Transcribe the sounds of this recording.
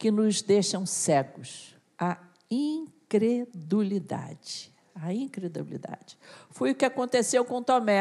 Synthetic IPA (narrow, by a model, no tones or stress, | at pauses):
kɪnʊzd̪eʃɐ̃w̃sɛɡʊs | a | ĩkɾed̪ulid̪a̰d͡ʒɪ | aĩkɾed̪ubilḭd̪a̰d͡ʒɪ̥fojʊkɪakõnt̪esewkõt̪omɛ